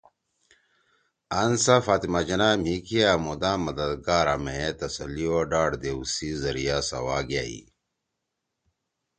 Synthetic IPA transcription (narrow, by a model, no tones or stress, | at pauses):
ɐnsafaːt̪imad͡ʑɐnamhikiamud̪ãːmɐd̪ɐd̪ɡaːɾamet̪ɐsɐ̰lioɖaːɽd̪eusizɐɾijasɐ̰waːɡaḭ